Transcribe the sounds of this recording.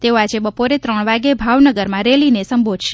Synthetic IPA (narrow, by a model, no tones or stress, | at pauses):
t̪eoad͡ʒebəpoɾet̪ɾəɳ̃ʋaɡebʱaʋnəɡəɾmãɾelinesəmbod̪ʱʃe